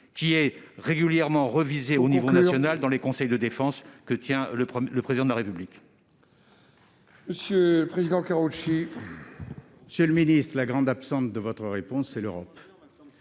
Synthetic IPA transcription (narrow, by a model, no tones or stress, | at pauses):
kʲiɛʁeɡyljɛʁmɑ̃ʁəvizeonivonasjɔnald̪ɑ̃lekɔ̃sɛjd̪əd̪efɑ̃skət̪jɛ̃ləχləpχezid̪ɑ̃d̪əlaʁepyblik | məsjøləpχezid̪ɑ̃kaʁuʃi | məsjələminist̪χəlaɡʁɑ̃d̪apsɑ̃t̪d̪əvɔt̪χəʁepɔ̃sːɛløʁɔp